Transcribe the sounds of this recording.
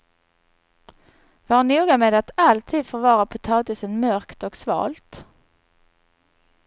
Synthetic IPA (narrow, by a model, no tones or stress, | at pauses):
vaɳuːɡameːd̪at̪alt̪ʰiːd̪fɔɾvɑːɾapʰʊt̪ʰɑːt̪ɪsənmœɾkt̪ɔksvɑ̰ːlt̪